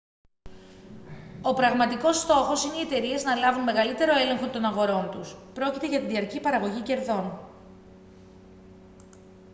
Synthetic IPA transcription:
o̞pɾɐɣmɐt̪iko̞st̪o̞xosineie̞t̪e̞ɾie̞znɐlɐvunme̞ɣɐlit̪e̞ɾo̞e̞le̞ŋxo̞t̪o̞nɐɣo̞ɾo̞nt̪uspɾo̞cit̪e̞ʝɐt̪iðiɐɾcipɐɾɐɣo̞ʝice̞ɾðo̞n

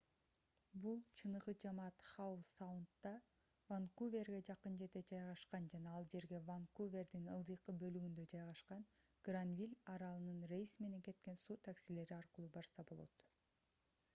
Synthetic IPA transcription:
bulˠt͡ʃʰɯnɯʁɯd͡ʒɑmɑːt̪χausawunt̪ːɑ | vaŋkuvʲe̞rɡe̞d͡ʒɑqɯnd͡ʒe̞ɾd̪e̞d͡ʒɑjʁɑʃqɑnd͡ʒɑnɑɑlˠd͡ʒe̞ɾɡe̞vaŋkuvʲe̞rd̪inɯlˠd̪ɯjqɯbø̞lyɡynd̪ø̞d͡ʒɑjʁɑʃqɑnɡ̥ranvʲilʲɑɾɑlˠɯnɯnre̞jsme̞ne̞ŋke̞t̪ke̞nsuːt̪ʰaksile̞ɾiɑɾqɯlˠuːbɑɾsɑbo̞lˠo̰t̪

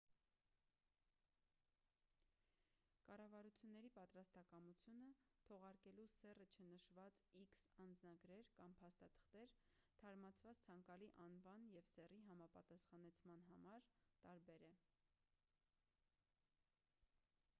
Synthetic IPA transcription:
kɑrɑvɑɾut͡sʰjunːɛɾipɑt̪ɾɑst̪ɑkɑmut͡sʰjunət̪ʰɔʁɑɾkɛlusɛrət͡ʃʰənəʃvɑt͡siksɑnd͡znɑɡɾɛɾkɑmpʰɑst̪ɑt̪ʰə̥χt̪ɛɾt̪ʰɑɾmɑt͡sʰvɑt͡st͡sʰɑŋkɑliʔɑnvɑnjɛvsɛriɦɑmɑpɑt̪ɑsχɑnɛt͡sʰmɑnɦɑmɑɾt̪ɑɾbɛɾɛ

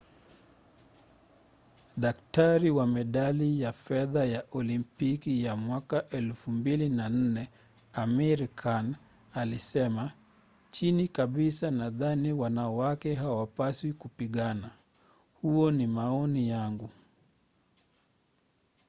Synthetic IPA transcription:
ɗaktaɾiwamɛɗalijafɛðajaʔɔlimpikijamwakaʔɛlfumbilinan̩nɛ | amiɾkʰan | alisɛma | t͡ʃinikaɓisanaðaniwanawakɛɦawapaswikupiɠana | huɔnimaɔnijaŋɡu

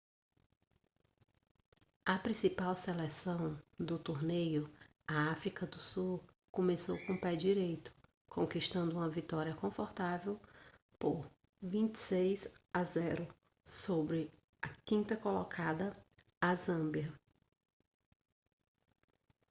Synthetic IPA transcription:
ɐpɾĩsipawselɛsɐ̃w̃d̪ʊt̪oɾnejʊ | ɐafɾikɐd̪ʊsu | kõmesowkõpɛd͡ʒiɾejt̪ʊ̥ | kʰõkiʃt̪ɐ̃nd̪ʊũmɐvit̪ɔɾiɐkõfɔɾt̪avew | poɾ | vĩnt͡ʃɪ̥sejzazɛɾʊ | sobɾɪ | ɐkĩnt̪ɐkolɔkʰad̪ɐ | azɐ̃biɐ

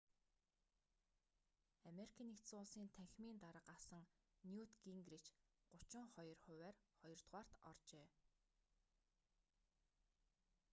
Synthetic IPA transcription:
ameɾikʰăːnext̪sʊːɮsiːnt̪ʰæxʲmiːnt̪aɾə̆qasə̆ŋ | njut̪ɡiŋɡrit͡ɕɢ̥ʊt͡ɕʊ̆ɴχɔjɞ̆rχʊ̟wæːrχɔjɞ̆rt̪ʁwaːr̥t̪ɔ̰rt͡ɕeː

